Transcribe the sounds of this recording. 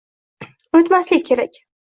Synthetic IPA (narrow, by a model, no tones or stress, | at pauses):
ot̪maslɪk̚ʲkʲʰe̞ɾakʲ